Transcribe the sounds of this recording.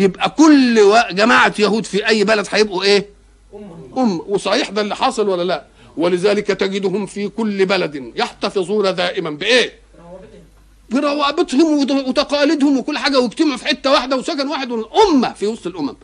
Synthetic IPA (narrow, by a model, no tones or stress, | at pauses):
jebʔækʊlːwæʔɡæmaːʕat̪jæhuːd̪fiʔæjːbælæd̪ħajebʔuʔeː | ʔʊmːæwesˤɑħiːħd̪ælːiħɑːsˤɑlwælːælæʔ | welɪzæːlɪkæt̪æɡɪd̪hʊmfikʊlːbælæd̪jeħt̪æfezˤuːɾˤɑd̪æːʔɪmæmbɪʔeː | beɾˤɑwɑːbet̪ˤhomwewet̪ɑqɑːlɪd̪hʊmwekʊlːħaːɡæweɡt̪ɪmʕfiħet̪ːæwaħd̪æwesækænwaːħed̪weʔʊmːæfiwɑsˤt̪ˤelʔʊmæm